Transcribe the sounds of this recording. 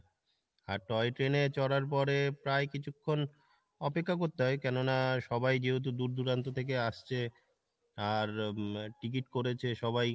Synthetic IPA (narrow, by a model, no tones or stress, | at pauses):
aɾʈɔeʈɾenet͡ɕɔɽaɾp̬ɔɾepɾaekit͡ɕʰukʰːon | ɔpekʰːakoɾt̪eɦɔekɛnonaʃɔbajd͡ʑeɦot̪̬ud̪uɾd̪uɾant̪ot̪ʰek̬eaʃt͡ɕʰe | aɾʈik̬iʈkoɾet͡ɕʰeʃɔβaj